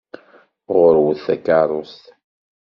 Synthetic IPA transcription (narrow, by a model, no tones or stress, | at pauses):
ʁʊɾwəθækːɑrˤost̪